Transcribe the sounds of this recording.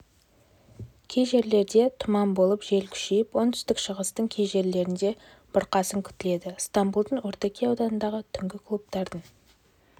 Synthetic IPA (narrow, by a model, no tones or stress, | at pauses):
kʲʰe̞jʒe̞ɾle̞ɾd̪e̞t̪ʰʊmɑmbo̞lˠəpʒe̞lkʲʰʏ̥ʃe̞jɪpwont̪ʰʏ̥st̪ɪkʃəʁəst̪əɴkʲʰejʒe̞ɾle̞ɾɪnd̪e̞ | b̥ʊɾqɑsəŋkʲʰʏ̥t̪ɪle̞d̪ɪst̪ɑmbulˠd̪əɴwoɾt̪ɑkʲʰejɑwd̪ɑnənd̪ɑʁət̪ʰʏŋɡʲɪkʰlˠup̚t̪ɑɾd̪əɴ